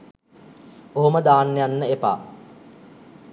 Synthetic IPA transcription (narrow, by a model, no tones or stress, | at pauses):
oɦuməd̪aːnːejanːəepa̰ː